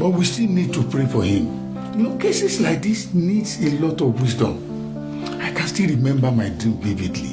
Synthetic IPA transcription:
bɔtwistinid̚tupɹefɔhĩm | jnokesɛslaɪk̚disnidselɔtɔvwisdɔ̰̃m | aɪkãnstilɹimɛ̃mbamaɪdivividlḭ

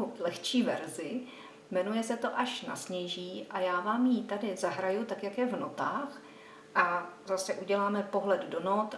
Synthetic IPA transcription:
lɛxt͡ʃiːvɛɾzɪ | mɛnujɛsɛt̪o̞ʔaʃna̰sɲɛjʒiːʔajaːvaːmjit̪adɪzaɦɾajut̪akjakjɛvno̞t̪aːx | ʔazasɛʔuɟɛlaːmɛpo̞ɦlɛddo̞not̪

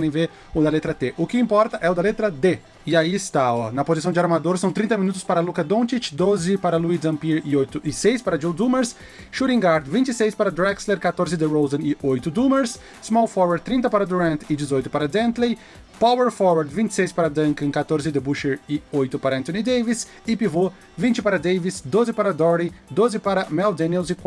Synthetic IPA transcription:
d̪ẽj̃ve | ʊd̪ɐlet̪ɾɐt̪eʔʊkɪĩmpɔɾt̪ɐʔɛʊd̪ɐlet̪ɾɐd̪e | ɪaiɪst̪aɔnɐpozisɐ̃w̃d͡ʒɪaɾmad̪oɾsɐ̃w̃t̪ɾĩt̪ɐminut̪ʊ̥spaɾɐlukɐd̪õt͡ʃit͡ʃd̪ozɪpaɾɐluizɐ̃mpiɾɪojt̪ʊʔɪsejspaɾɐd͡ʒiwd̪ũmeɾs | ʃuɾĩŋɡaɾd̪vĩnt͡ʃɪsejspaɾɐd̪ɾɛksleɾkat̪oɾzɪd̪ɪɾowzɐ̃ɪojt̪ʊd̪umeɾs | zmɔwfɔɾwɐɾ̚t̪ɾĩnt̪ɐpaɾɐd̪uɾɐ̃nt̪ɪd͡ʒɪzojt̪ʊ̥paɾɐd̪ẽnt̪lej | paweɾfɔɾwaɾd̪vĩnt͡ʃɪ̥sejspaɾɐd̪ɐ̃ŋkɐ̃kat̪oɾzɪd̪ebuʃeɾɪojt̪ʊpaɾɐɐ̃nt̪õnid̪ejvis | ɪpivo | vĩnt͡ʃɪpaɾɐd̪ejvisd̪ozɪpaɾɐd̪ɔɾlid̪ozɪpaɾɐmɛwd̪ẽniɛlzɪkwa

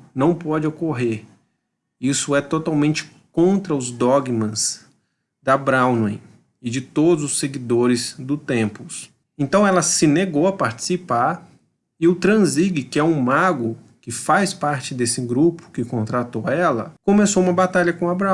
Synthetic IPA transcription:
nɐ̃w̃pɔd͡ʒɪokoɦeɾ | isʊɛt̪ot̪awmẽnt͡ʃɪ̥ | kõnt̪ɾɐʊzd̪ɔɡmɐ̃z | d̪abɾawnwẽj̃ | ɪd͡ʒɪt̪od̪ʊzʊsːeɡid̪oɾɪzd̪ʊt̪ẽmpʊs | ẽnt̪ɐ̃w̃ɛlɐsɪneɡowɐpaɾt͡ʃɪ̥sipaɾ | ɪʊt̪ɾɐ̃ziɡɪkɪɛũmaɡʊ | kɪfajspaɾt͡ʃɪd̪esɪɡɾupʊ̥kɪkõnt̪ɾat̪owɛlɐ̰kõmesoũmɐbat̪aʎɐkõabɾa

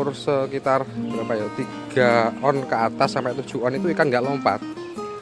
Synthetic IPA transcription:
ʊrsəkit̪arjapajɔt̪iɡ̥aɔnkəat̪asːampat̪ud̥ʒ̥ṳɔnit̪uikaŋɡaʔlompa̰t̪̚

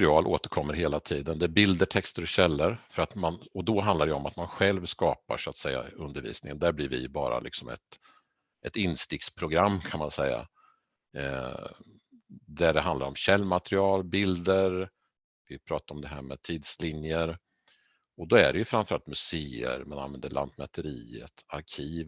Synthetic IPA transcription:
ɾɪɑːlʔoːt̪əɾkʰɔmːəɾɦeːlat̪ʰiːd̪ənd̪ɛæbɪld̪əʈʰɛkst̪əɾɔɕɛlːəɾfœɾat̪manɔd̪ɔɦand̪aɾɖɛɔmat̪manɧɛlvskɑːpa̰ʂʊat̪sɛjːa̰ɵnd̪əɾvḭːsnɪŋənd̪æɾblɪɾvɪ̰bɑ̰ːɾa̰lɪ̰ksɔmɛ̰t̪ | ʔɛt̪ɪnːst̪ɪk̚t̪spʰɾʊɡɾamːkʰanmansɛjːa̰ | d̪æɖɛɦand̪laɾɔmɕɛlːmat̪ɾɪɑːlbɪld̪əɾ | vɪpʰɾɑːt̪aɾɔmd̪ɛɦæːɾmɛ̰t̪ʰiːd̪slɪnjəɾ | ɔd̪ɔæ̰ɖɛjɵfɾamfœɾa̰lt̪mɵseːə̰ɾmana̰nvɛnd̪əɭʔa̰nt̪mɛt̪ʰəɾiːə̰t̪aɾkʰiːv

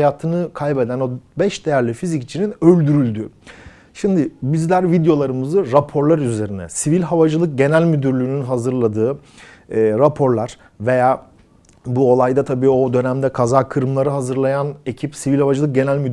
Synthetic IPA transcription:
jaːt̪ʰɯnɯkʰalʲbe̞d̪æno̞bɛʃd̪ejæɾlʲifizict͡ʃʰininø̞lʲd̪yɾylʲd̪y | ʃimd̪ɪbizlʲæɾvid̪jo̞lˠaɾɯmɯzɯɾapʰo̞ɾlˠaɾyze̞ɾinɛ̰sivilʲɦavad͡ʒɯlˠɯk̚ɟe̞nælʲmyd̪yɾlʲyːnynɦazɯɾlˠad̪ɯː | ɾapʰo̞ɾlˠaɾ̥ | ve̞jaː | buo̞lˠajd̪at̪ʰabiːo̞d̪ø̞næmd̪ɛkʰazaːkʰɯɾmlˠaɾɯɦazɯɾlˠajane̞cʰipsivilʲhavad͡ʒɯlˠɯk̚ɟe̞nælʲmyd̪

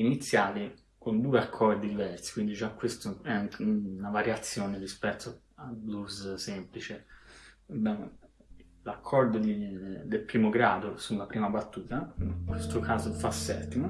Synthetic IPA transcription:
init̪sːjaːli | kond̪uːeakʰːɔrd̪id̪ivɛrsi̥kwind̪id͡ʒakːwest̪oɛnavaɾjat̪sːjoːnerispɛt̪ʰːo | ablussɛmplit͡ʃe | ɛbɛme | lakʰːɔrd̪od̪id̪elpɾiːmoɡɾaːd̪osunlapɾiːmabat̪ːuːt̪aŋkwest̪okʰaːzofasːɛ̰t̪ːimo

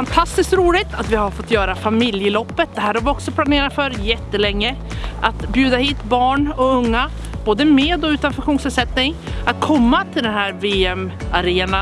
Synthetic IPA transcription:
fant̪ʰast̪ɪskt̪ɾuːlɪt̪ʰat̪vɪhaɾfɔt̪ːjœːɾafamɪljəlɔpːət̪̚d̪ɛhæːɾhaɾvɪɔksɔpʰlaneːɾad̪fœɾjɛt̪ːəlɛŋːə | ʔat̪bjʉːd̪ahiːt̪bɑːɳɔɵŋːa | b̥oːd̪əmeːd̪ɔʉ̟ːt̪anfɵŋɧuːnsɛsɛt̪nɪŋ | at̪̚kʰɔmːat̪ʰɪld̪ɛnɦæːɾveːɛmaɾeːna

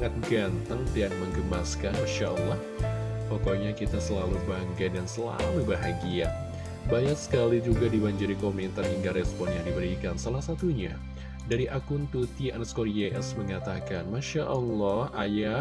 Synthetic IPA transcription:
ŋat̪̚ɡant̪aŋt̪ianməŋɡəmaskanmaʃaʔɔlːɔh | pokoɲakit̪asəlalubaŋkaj̚dansəla̰mubaɦaɡia | baɲak̚sə̥kalid͡ʒuɡadibaɲd͡ʒuɾikomɛnt̪ariŋɡaɾɛspɔnjaŋdibəɾikansalahsat̪uɲa | daɾiʔakʊnt̪ut̪ianəskoɾiaʔɛsməŋat̪akanmaʃaʔɔlːɔhaja

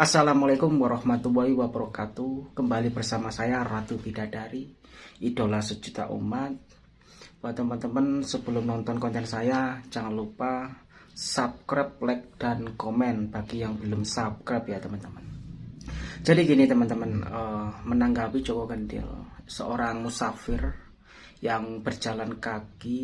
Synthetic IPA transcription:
ʔasalamalakʊmwaɾɔhmat̪uwaiwapəɾɔkat̪ukəmbalibərsamasajarat̪ubidadaɾi | ʔid̥o̤lahsəd͡ʒ̥ut̪a̰ʔṵmat̪̚ | wat̪əmənt̪əmənsəb̥əlʊmnɔnt̪ɔnkɔnt̪ɛnsajat͡ʃaŋalupa | sap̚kɾɛp̚lɛk̚d̥ankomɛnb̥aɡijaŋbəlʊmsap̚kɾɛpjat̪əmənt̪əmən | d͡ʒ̥adikinit̪əmənt̪əmənəmənaŋɡapid͡ʒokokəndɪ̰lsə̰oɾaŋmusafɪr | jaŋb̥ərd͡ʒalankaɡi

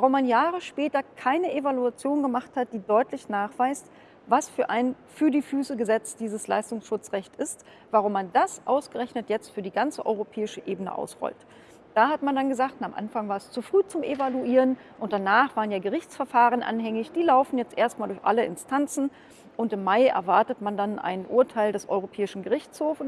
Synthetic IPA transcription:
vaʁʊmːanjaːʁəʃpɛːtɐkʰaɪnəʔevaluat͡sjoːnɡəmaχthat̚d̥iːdɔʏtʰlɪçnaːχv̥aɪst | vasfyːɐʔaɪn | fyːɐdiːfyːsəɡəzɛt͡sd̥iːzəsla̰ɪstʊŋsʃʊt͡sʁɛçtɪst | v̥aʁʊmːandasʔaʊsɡ̥əʁɛçnətjɛt͡stfyːɐdiːɡant͡səʔɔʏʁopʰɛːɪʃəʔeːbənə̰ʔa̰ʊsʁɔ̰lt | d̥aːhatmandanɡəzaːktnamʔa̰nfaŋvaːɐɛst͡sufʁ̥yːt͡sʊmʔevaluʔiːʁən | ʔʊnt̚d̥anaːχv̥aːʁənjaːɡəʁɪçt͡sfɛɐfaːʁ̞ənʔa̰nɦɛŋɪçd̥iːlaʊfn̩jɛt͡stʔeːɐstmaːldʊɐçʔa̰ləʔɪ̰nstʰant͡sn̩ | ʔʊntɪmːaɪʔɛ̰ɐvaɐtətmandanʔa̰ɪnʔʊɐtʰaɪldɛsʔɔ̰ʏʁopʰɛːɪʃn̩ɡəʁɪçt͡shoːf

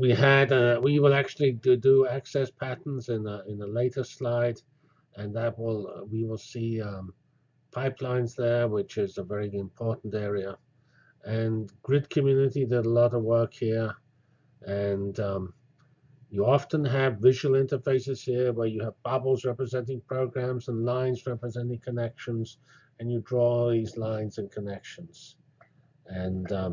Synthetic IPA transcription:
wiɨdʌwiwɪlˠæk̚t͡ʃʉl̩ˠidəæksɛspʰæʔn̩zɪ̃nəɪ̃nðəleɪɾə˞slaɪd | ɨ̃nðət̚wɪlˠwiwɪlˠsiʌ̃ | pʰaɪpʰlãɪ̃nzðə˞wɪt͡ʃɪzəvɛɹiɪ̃mpʰɔɹʔn̩tɛɹiə | ɨ̃nɡ̥ɹɪd̚kʰɨmjʉnɨɾidɪɾəlɔɾʌvwɜ˞khiɹ | ʔɨ̃nʌ | jəɑftə̃nəvvɪʒəwl̩ˠɪ̃ntə˞feɪsɨz̥hiɹwə˞jɨəvbʌbl̩ˠzɹɛpɹɨzɛ̃nt̬ɪ̃ŋpʰɹ̥oʊɡɹæ̃mzə̃nlãɪ̃nzɹɛpɹɨzɛ̃ntɪ̃ŋkʰənɛkʃə̃nz | ɨ̃njɨdɹɔðizlãɪ̃nzɨ̃nkʰənɛkʃə̃nz̥ | ɨ̃nʌ

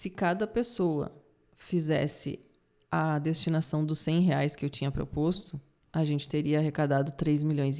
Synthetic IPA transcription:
sɪkad̪ɐpesowɐ̰ | fizɛ̰sɪ̰ | ɐd̪est͡ʃinasɐ̃w̃d̪ʊsẽj̃ɦeajskɪewt͡ʃĩɲɐpɾo̰post̪ʊ | aʒẽnt͡ʃɪ̥t̪eɾiɐaɦekad̪ad̪ʊt̪ɾejzmiʎõj̃z

